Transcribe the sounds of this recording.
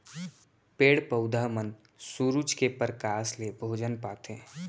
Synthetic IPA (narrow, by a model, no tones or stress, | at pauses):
peːɽpəʊd̪ʱaːmən | suɾud͡ʒkepəɾkaːslebʱoːd͡ʒənpaːt̪ẽː